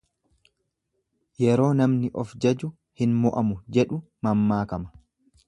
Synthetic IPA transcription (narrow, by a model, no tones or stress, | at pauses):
jɛɾo̞ːnɐmnɪʔɔfd͡ʒɐd͡ʒʊ | hɪnmɔʔɐmʊd͡ʒɛᶑʊ | mɐmːaːkɐmɐ̥